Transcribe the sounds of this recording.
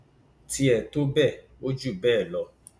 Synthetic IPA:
ti˧˦ɛ˨to˦bɛ˦˨ | o˦d͡ʒu˦˨bɛː˦˨lɔ˧˦

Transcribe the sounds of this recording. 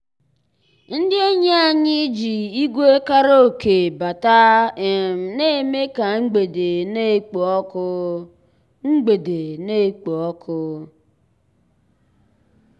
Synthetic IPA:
n̩˦dɪ˦e˦ɲe˦a˨ɲɪ˦d͡ʒi˨i˦ɡʷe˦ka˦ɾo˦o˨ke˨ba˨ta˦˨m̩˨ne˦˨me˦ka˨ŋ͡m̩˦ɡ͡be˨de˨ne˦˨k͡po˨ɔ˦kʊ˦ | ŋ͡m̩˦ɡ͡be˨de˨ne˦˨k͡po˨ɔ˦kʰʊ˦

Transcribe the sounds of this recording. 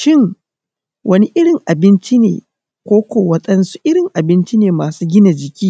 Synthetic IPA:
ʃɪ˦ŋ | wʔɐ˦ni˦ʔɪ˦ɽɪ˨ŋʔa˨bɪ˦nt͡ʃi˦nḛː˨ | kʷoː˦kʷoː˨wɐ˦ɗɐ˦nsu̥˦ʔɪ˦ɽɪ˨ŋʔa˨bɪ˦nt͡ʃi˦neː˨maː˨suː˦ɡʲɪ˦na˨d͡ʒɪ˨kʲiː˦

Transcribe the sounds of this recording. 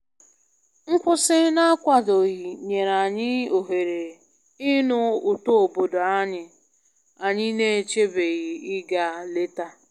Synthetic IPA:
ŋ̩˦kʷʊ˦sɪ˦na˦a˦kʷa˨do˨ɣi˨ɲe˨ɾa˨ɲɪ˦o˨ɦe˨ɾe˨ | ɪ˦nʊ˦ʊ˨to˦o˨bo˨do˨a˦ɲɪ˦ | a˨ɲɪ˦ne˦˨e˨t͡ʃe˦be˨ɣɪ˨ɪ˦ɡa˨le˦ta˦

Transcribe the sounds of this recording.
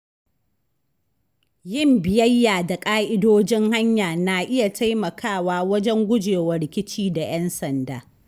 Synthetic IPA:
jɪ˦˨mbɪ˨jɐ˦jːaː˨da˨kʼaː˦ʔɪ˦doː˦d͡ʒɪ˦ŋha˦ɲjaː˨na˨ʔɪ˦ja˨ta˦jmɐ˨kʰaː˦˨waː˦wɐ˦d͡ʒɛ˦ŋɡʷʊ˦d͡ʒeː˨wɐ˨ɽɪ˨kʲɪ˦t͡ʃiː˦da˨j̰ɛ˦nsɐ˨ndaː˦

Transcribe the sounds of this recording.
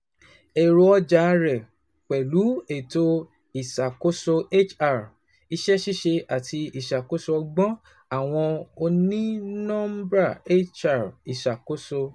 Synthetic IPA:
e˨ɾo˧ɔ˦d͡ʒa˨˦ɾɛ˨ | k͡pɛ˨lu˨˦e˨to˧ | i˨ʃa˨ko˦so˧e˦t͡ʃa˦˨ɾ | i˧ʃɛ˦ʃi˦ʃe˧ʔa˨tʰi˧i˨ʃa˨ko˦so˧ɔ˧ɡ͡bɔ̃˦ | a˦˨w̃ɔ̃˧o˧nĩ˦nɔ̃˦m˦bɾa˦˨e˦t͡ʃa˦˨ɾi˨ʃa˨ko˦so˧

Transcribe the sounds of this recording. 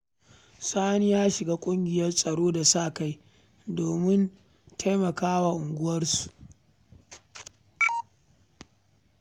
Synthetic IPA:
saː˦ni˦jaː˦ʃɪ˨ɡaː˦kʷʼʊ˦ŋɡʲɪ˨jɐ˦rsʼɐ˨ɽoː˦da˨saː˦˨ka˦j | doː˨mɪ˦n | tʰa˦jmɐ˨kaː˦wa˨ʔʊ˨ŋɡʷʊ˦wɐ˦rsu̥˨

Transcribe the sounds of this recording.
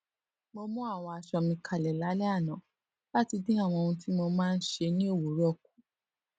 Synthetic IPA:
mo˧mɔ̃˦a˦˨w̃ɔ̃˧a˧ʃɔ˧mĩ˧kʰa˨lɛ˨la˨˦lɛ˦a˦˨nã˨˦ | la˦ti˧dĩ˦a˦˨w̃ɔ̃˧o˧ũ˧ti˦mo˧mãː˦˧n̩˦ʃe˧nĩ˦o˦˨wo˨˦ɾɔ˦˨k̚u̥˨˦

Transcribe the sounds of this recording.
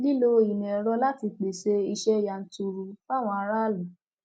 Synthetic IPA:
li˦lo˦i˨nĩ˨ɛ˨ɾɔ˦la˦ti˧k͡pe˨ʃe˧i˧ʃɛ˦ja˨n̩˦tu˧ɾu˧fa˦˨w̃ɔ̃˧a˧ɾa˦lɔ˨

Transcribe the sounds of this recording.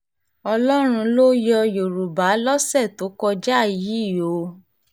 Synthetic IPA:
ɔ˧lɔ˦ɾ̃ũ˧lo˦jɔ˧jo˨ɾu˨ba˨˦lɔ˦sɛ˦˨to˨˦kɔ˧d͡ʒa˦˨ji˨˦˨jo˨˦

